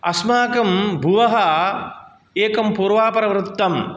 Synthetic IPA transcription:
ɐsmaːkɐmbʱuʋɐɦɐ | eːkɐmpuːɾʋaːpɐɾɐʋɾut̪ːɐm

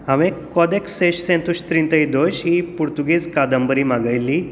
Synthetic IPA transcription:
aʋẽkɔd̪ekseɕsẽnt̪uɕt̪ɾĩnt̪əid̪oɕɦipuɾt̪uɡiskad̪əmbəɾiːmaɡajlːi

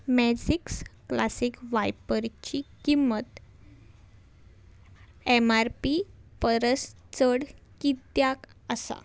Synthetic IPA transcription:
mɛd͡ʑiksklasikʋajpəɾt͡ɕikimːət̪ | emaɾpipəɾəst͡səɽkit̪jakəsa̰

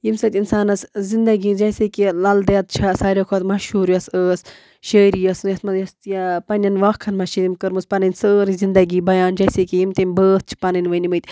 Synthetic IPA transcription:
jimsɐt̪ʲinsaːnɐszind̪ɐɡid͡ʒɐsekilɐld̪ɐɐt̪̚t͡ʃʰasaːɾʲokʰoɐt̪mɐʃhuːɾjɐsəːs | ʃəːɾijɐsnjɐsmɐjɐst̪japɐnʲɐnʋaːkkʰːɐnmɐʃiimʲkəɾmɨspɐnɨnʲsəːɾizind̪ɐɡiːbɐjaːnd͡ʒɐjsekijimt̪emʲbəːt̪̚t͡ʃʰi̥pɐnɨnʲʋɐnʲimət̪ʲ

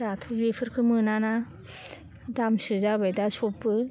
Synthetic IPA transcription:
ɾatʰɯbepʰɯɾkʰɯmɯnana | damsɯzabajdasɔpːɯ

